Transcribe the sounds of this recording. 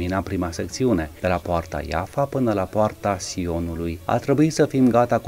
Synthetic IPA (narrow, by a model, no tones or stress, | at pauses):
minapɾimase̞k̚t̪siune̞d̪̥e̞lapoart̪a̰ja̰fapɨnəlapoart̪asio̞nuluja̰t̪ɾe̞buit̪səfimɡat̪ak